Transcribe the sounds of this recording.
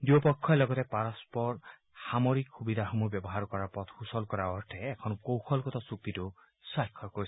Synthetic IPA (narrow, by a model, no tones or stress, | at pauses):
d͡ʒiɔpɔkʰːɔelɔɡɔt̪epaɾɔspɔɾ | hamɔɾikxubid̪ʱaɦomubjɔbɔɦaɾkɔɾapɔt̪ʰhusɔlkɔɾaɔɾtʰeːkʰɔnɔkowxʰɔlkɔt̪ɔsuk̚t̪it̪u | sajkʰːɔɾkoɾisi